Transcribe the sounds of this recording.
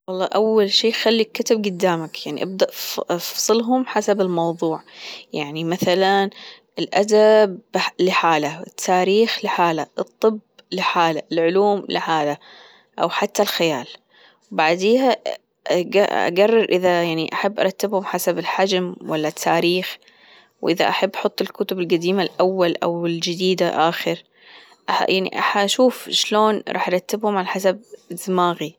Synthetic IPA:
wɑlˤːɑːʔawːalʃiːxalːikːɪt̪ɪb̚ɡʊd̪ːaːmakjaʕnḭʔab̚d̪aʔfsˤɨlɦʊmħasabɪlmɑwðˤuːʕjaʕnimaθalan | ɪlʔad̪ablɪħaːlaɪt̪ʰːaːɾiːxlɪħaːlaʔɨt̪ˤːɨblɪħaːlaɪlʕʊluːmlɪ̰ħaːla | ʔa̰wħat̪ːalxajaːl | wbaʕd̪eːha | ʔɡaʔa̰ɡarˤːɑɾʔɪðajaʕniʔaħabːʔɑ̰ɾˤɑt̪ːɪbhʊmħasabɪlħad͡ʒmwalːat̪ʰːaːɾiːx | wʔɪða̰ʔaħabːʔaħʊt̪ˤːɪlkʊt̪ʊbɪlɡad̪iːmalʔawːalʔa̰wɪld͡ʒɪd̪iːd̪aʔaːxɪɾ | ʔajaʕnḭʔaħaʔʃuːfʃloːnɾˤɑːħʔɑɾˤɑt̪ːɪbhʊmʕalaħasab̚zːmaːɣi

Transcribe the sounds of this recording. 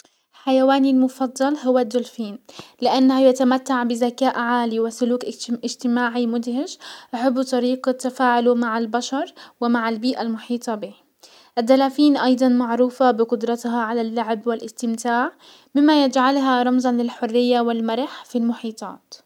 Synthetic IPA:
lħajawaːnilmʊfɑd̪ˤːɑlɦʊwːad̪ːʊlfiːnlɪʔanːahajat̪amat̪ːaʕbɪzakaːʔʕaːliwɪsʊluːkʔɪd͡ʒt̪ɪmaːʕimʊd̪hɪd͡ʒʔaħabːut̪ˤɑɾiːqat̪ːafaːʕʊlumaʕalbaʃɑɾˤwɪmaʕalbiːʔalmʊħiːt̪ˤɑbiː | ʔɪd̪ːalaːfiːnʔɑjd̪ˤɑnmaʕɾuːfabɪqʊd̪ɾˤɑt̪ɦɑʕalalːaʕɪbwɪlʔɪst̪ɪmt̪aːʕ | mɪmːajɪd͡ʒʕalɦaɾˤɑmzˤɑnlɪlħʊrːɪjːawɪlmaɾˤħfilmʊħiːt̪ˤɑ̰ːt̪

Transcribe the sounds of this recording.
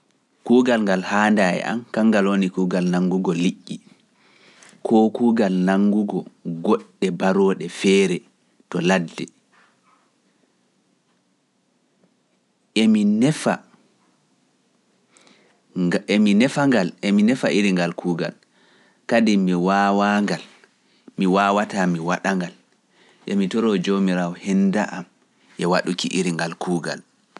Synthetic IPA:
kuːɡalŋɡalhaːndajɛ̰ʔa̰mkaŋɡalonikuːɡalnaŋɡuɡɔliʔːi | kʰɔkuːɡalnaŋɡuɡɔɡɔɗːɛbaɾɔːɗɛfɛːɾɛ | tɔladːɛ | eminɛfa | minɛfaŋɡalʔɛminɛfaʔiɾiŋɡalkʰuːɡal | kadimiwawaŋɡal | miwaːwatamiwaɗaŋɡal | ʔɛmitɔɾɔd͡ʒomiɾawɔhɛndaʔam | ʔɛwaɗukiʔiɾiŋɡalkʰuːɡa̰l

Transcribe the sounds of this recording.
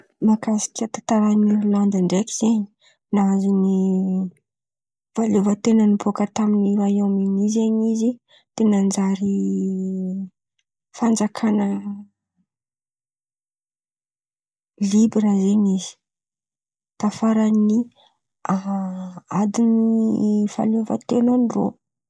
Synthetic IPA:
makasi̥kʲət̪at̪aɾanululand̪iɳɖ͡ʐekiz̥eɲi̥ | naazuni | v̥alevət̪enənupʰokət̪aminiɾajaminizeɲizi | t̪enənd͡zaɾi | fand͡zakʰanə | libɾəzeɲizi̥ | t̪afaɾani | a | ad̪inifa̰lovə̰t̪enaniro̰

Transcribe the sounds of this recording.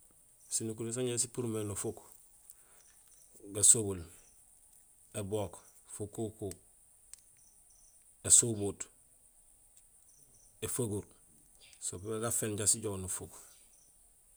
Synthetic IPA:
sinuk̬uɾis̬aɲɟesipuɾmeːnufuk | ɡasobul | eboːkfukːuku | esubuːt | efaɡuɾ | sopebeɡafeːnɟasiɟonufuk

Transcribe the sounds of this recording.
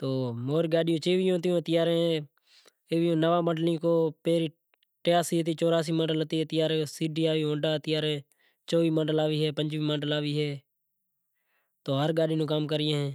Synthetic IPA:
t̪oːmoːɾiɡaːɗɪjõːt͡ʃeːʋɪjõːt̪ɪjõːt̪ɪjaːɾẽː | eʋjõːnəʋãːməɖlĩːkoːpeːɾiː | ʈejaːsiːɦət̪̬iːt͡ʃoːɾaːs̬iːməɖəlt̪iːt̪ɪjaːɾẽːsiːɖijaːʋiːõːɖaːt̪ɪjaːɾeː | t͡ʃoːʋiːməɖəlaːʋiːɦɛːpəɲd͡ʒʋiːməɖəlaːʋiːɦeː | t̪oːɦəɾɡaːɗiːnũːkaːmkəɾɪjẽːɦɛ̃ː

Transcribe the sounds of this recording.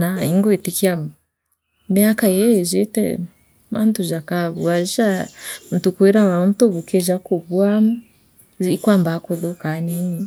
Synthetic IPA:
naiŋɡoetikia | mjakajeʒetɛ̰ | mantuʒakaβuaʒam̩tukweɾamantoβukeʒakoβwamu | ikwambakoðokanini

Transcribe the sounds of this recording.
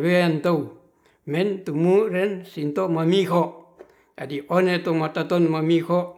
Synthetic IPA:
weant̪ou | mɛnt̪umurɛnsint̪omamiɦɔʔ | ɡadiʔonet̪omat̪at̪ɔnmamihɔʔ

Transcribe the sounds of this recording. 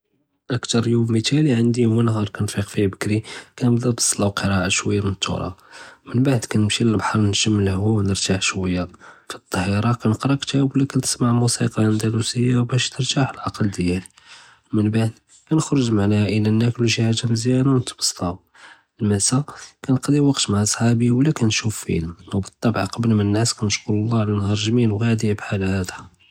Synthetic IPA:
ʔəkt̪ɑɾˤjummət̪æliʕənd̪iwænɦɑɾˤkænfiqfibəkɾikænbd̪æbɑsˤːlɑwqəɾˤɑʔaʃwəjːamənt̪ʰːṵɾˤɑ̰mənbaʕd̪kænəmʃiləlbħɑɾˤnʒəmːlhwuwnəɾt̪aħʃwəjːafit̪ˤːɑhiɾˤɑkænəqɾˤɑkt̪ʰæbwlikænt̪ə̥smaʕmusiqɑənd̪ɑɾusəjːawbæʃt̪əɾt̪aħəlʕɑqəld̪jæl | mənbaʕd̪ | kænəxɾəʒmaʕnæhæʔəlænːækluʃihaʒamzjænawnət̪bɑ̥sˤt̪ˤɑ | əlmæsakænəqd̪iwɑqt̪maʕsˤħɑbiwlːækænʃufːḭləmwbət̪ˤːɑbʕqɑblmənːæskænəʃkullːɑʕlænhɑɾˤʒminwhæd̪ibħalhæd̪æ

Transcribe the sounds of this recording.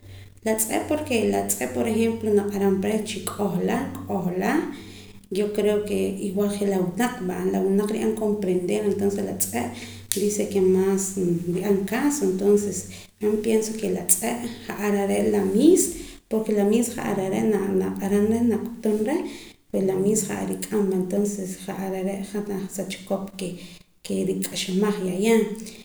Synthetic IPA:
lat͡sʼḛʔpoɾkelat͡sʼeʔpoɾexemplonaqʼaɾampɾet͡ʃikʼoχlakʼoxla | jokɾeokeiwalxelawunaq͡χʰʼɓanlawunaqɾḭʔaŋkompɾend̪eɾent̪onseslat͡sʼeʔ | d̪isekemasɾiʔaŋkasoent̪onses | kampjensokelat͡sʼeʔχaʔaɾaɾeʔlamis | poɾkelamiːsχa̰ʔa̰ɾaɾeʔnanaqʼaɾanɾenaqʼut̪unɾepweslamiːsχa̰ʔa̰ɾikʼambant̪onsesχaʔaɾaɾeʔχat̪asat͡ʃkopke | keɾikʼaʃamaχjajaŋ

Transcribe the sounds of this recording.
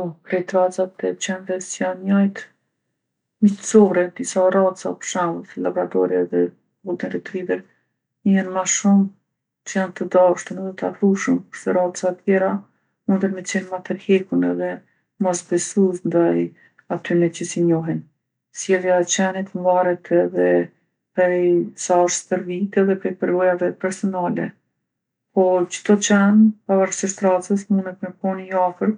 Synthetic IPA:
ɔkɾɛjt̪ɾat͡sat̪ːɛt͡ɕɛnðɛsjanɲajt̪ | mit̪t͡sɔɾɛd̪isarat̪sa̰pə̥ʃaməslabɾat̪ɔɾjaðɛ | but̪inɾit̪ɾivɛɾ | janmaʃum | t͡ʃəjant̪əd̪aʃt̪ənəd̪ɔt̪afuʃəmpu̥ʃt̪ɛɾat̪t͡sat̪jɛɾa | und̪əɾmɛt͡sɛnmat̪əɾhɛkunɛðɛ | mɔsbɛsusnd̪aj | at̪ynɛcəsiɲɔɦɛn | sjɛlˠjaɛt͡ɕɛnit̪ɱvaɾɛt̪ʰɛðɛ | pɾɛjsaʃpəɾvit̪ɛðɛpɾɛjpəɾvɔjavɛpɛɾsɔnalɛ | pɔt͡ʃə̥t̪ɔt͡ɕɛnpavaɾsiʃt̪ɾat͡səsmunət̪mɛpɔniafəɾ

